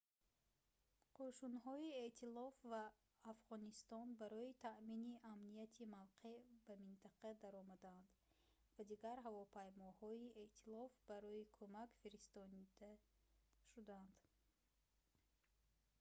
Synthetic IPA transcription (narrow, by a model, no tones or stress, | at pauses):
qʰoʃunɦɔie̞ʔt̪ʰilɔfvaː | fʁɔnist̪ɔnbaɾɔit̪ʰaʔminiʔamnijat̪ʰimavqʰe̞bamint̪ʰaqʰad̪aɾɔmad̪aand̪ | vad̪iɡaɾɦavɔpʰajmɔhɔieʔt̪ʰilɔfbaɾɔikʰomakfiɾist̪ɔnid̪a | ʃud̪aand̪